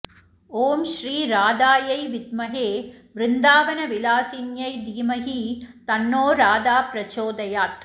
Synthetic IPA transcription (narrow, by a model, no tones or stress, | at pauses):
oːmʃɾiːɾaːd̪aːjɐɪʋɪd̪mɐɦeːʋɾɪnd̪aːʋɐnɐʋɪlaːsinjɐɪd̪iːmɐɦit̪ɐnːoːɾaːd̪aːpɾɐt͡ʃoːd̪ɐjaːɾt̪ʰ